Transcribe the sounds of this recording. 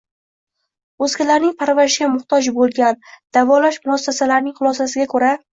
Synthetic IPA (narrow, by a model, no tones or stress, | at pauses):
ɵzkʲʰalaɾnɪŋpʰaɾvaɾɪʃɡʲamʊht̪ʰɒd͡ʒbolˠɡʲand̪̥avɒlaʃmʊasːasalaɾnɪŋχʊlˠɒsasɪɡʲakʰɵɾa